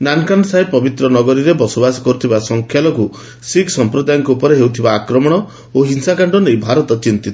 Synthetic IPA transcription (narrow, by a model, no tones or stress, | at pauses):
nankansaepɔbit̪ɾɔnɔɡɔɾiɾebɔsobasɔ̥kɔɾut̪ʰibasɔŋkʰjalɔku | siksɔmpɾod̪ajɔŋkɔupɔɾeɦewt̪ʰibaːkɾɔmɔɽ̃ɔ | oɦinsakaɳɖɔnejbʱaɾɔt̪ɔt͡ʃint̪it̪ʰɔ̥